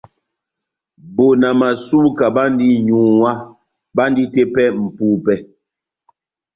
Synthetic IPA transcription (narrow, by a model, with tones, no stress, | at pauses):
bo˨na˨ma˨su˦ka˨ba˦n˦di˦ɲu˨wa˦ | ba˦n˦di˦te˦pɛ˦m̩˨puː˦pɛ˦